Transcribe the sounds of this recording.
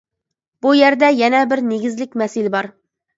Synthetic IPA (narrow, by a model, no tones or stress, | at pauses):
b̥ujæɾd̪ɛjɛnɛbɪɾneɡʲɪzlɪkʲmɛsɪlɪbɑɾ